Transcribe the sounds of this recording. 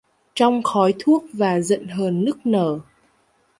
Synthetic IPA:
t͡ɕɔ˧wŋ͡mxɔ˨˦jt̪ʰu˦˥ək̚vaː˨˩zə̰˧˨nɦəː˨˩nːɨ˦˥k̚nəː˧˩

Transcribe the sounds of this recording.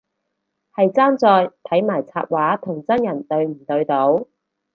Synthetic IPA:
hɐ˨jt͡saː˥nt͡sɔː˧jt̪ʰɐ˨˥jmaː˨˩jt͡sʰaː˧p̚waː˨˥t̪ʰʊ˨˩ŋt͡sɐ˥njɐ˨˩nt̪ɵ˧ɥm̩˨˩t̪ɵ˧ɥt̪o˨˥w

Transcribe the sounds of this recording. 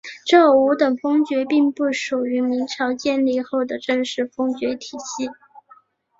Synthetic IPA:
ʈ͡ʂɤ˥˩u˧˥t̪ə˨˩ŋfɤ˥ŋt͡ɕɥɛ˧˥pi˥˧ŋpu˥˩ʂu˨˩y˧˥mi˧˥ŋʈ͡ʂʰɑ˧˥ʊt͡ɕjɛ˥˧nli˥˧xo˥˩ʊd̪ə˩ʈ͡ʂɤ˥˧ŋʂɻ̩˥˩fɤ˥ŋt͡ɕɥɛ˧˥t̪ʰi˨˩ɕi˥˩

